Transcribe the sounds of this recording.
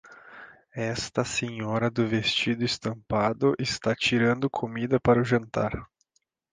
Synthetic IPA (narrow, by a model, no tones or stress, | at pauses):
ɛst̪ɐseɲɔɾɐd̪ʊvest͡ʃid̪ʊɪst̪ɐ̃mpad̪ʊʔɪst̪at͡ʃiɾɐ̃nd̪ʊkʰomid̪ɐpaɾʊʒɐ̃nt̪a̰ɾ